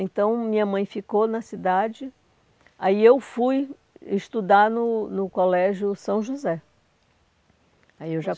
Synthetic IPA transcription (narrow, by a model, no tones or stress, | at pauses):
ẽnt̪ɐ̃w̃mĩɲɐmɐ̃j̃fikonɐsid̪ad͡ʒɪ | aiewfuj | ɪʃt̪ud̪aɾnʊnʊkolɛʒjʊsɐ̃w̃ʒuzɛ | aiewʒa